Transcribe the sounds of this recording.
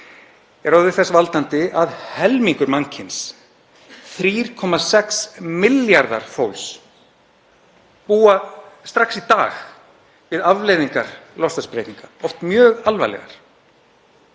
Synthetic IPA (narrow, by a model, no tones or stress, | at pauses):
ɛɾoːðɪθɛsvalt̪ant̪ɪaðhɛlmiŋkʏɾmaŋcʰɪns | θɾiːɾ̥kʰɔmasɛksmɪljaɾða̰ɾ̥fowls | puːast̪ɾaxsit̪aːɣ | vɪðavleːjðiŋkaɾ̥lɔst̪aspɾejt̪niŋkaɔft̪mjœːɣalva̰jlɛ̰ɣa̰ɾ̥